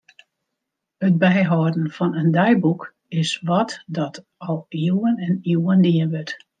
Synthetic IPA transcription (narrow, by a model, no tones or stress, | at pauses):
ət̚bɛjɦɔːdn̩fɔnəndɛjbuk | ɪsʋɔtdɔt | ɔlˠiwənɛniwəndiəʋøt